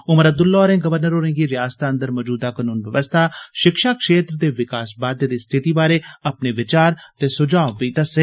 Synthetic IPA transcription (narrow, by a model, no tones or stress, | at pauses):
ʊməɾəb̚d̪ʊlːɔːɾẽːɡəʋəɾnəɾoːɾẽːɡiːɾɪjaːst̪aənd̪əɾmɔːd͡ʒuːd̪aːkənuːnʋjəʋəst̪ʰaːʃɪkʃaːkʃeːt̪ɾd̪eːʋɪkaːsbaːd̪ed̪iːst̪ʰɪt̪iːbaːɾeːɐpneːʋɪt͡ʃaːɾt̪eːsʊd͡ʒaːbiːt̪əse